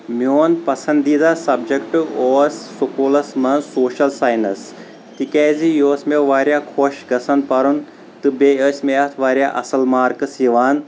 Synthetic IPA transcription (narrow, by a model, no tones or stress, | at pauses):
mjoːnpɐsɐnd̪iːd̪asɐbd͡ʒɐkʈɨoːsːukoːlɐsmɐnsoːʃɐlsaːjnɐs | t̪ikɛːzijoːsmeʋaːɾjaːkʰoːʃɡɐsɐnpɐɾun | t̪ɨbeːəsʲmeɐt̪ʰʋaːɾʲjaːʔɐ̰sɐlmaːɾkɨsiʋaːn